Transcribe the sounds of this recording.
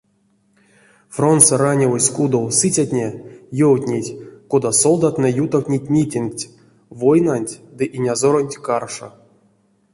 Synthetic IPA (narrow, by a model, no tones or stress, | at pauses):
fro̞nt̪soranʲevosʲkud̪owsɨt͡sʲatʲnʲejowtʲnʲetʲkod̪aso̞lˠd̪at̪nɛjut̪awtʲnʲitʲmʲitʲinktʲ | vojnanʲtʲd̪ɨʔinʲazo̞ɾonʲtʲkarʂo̰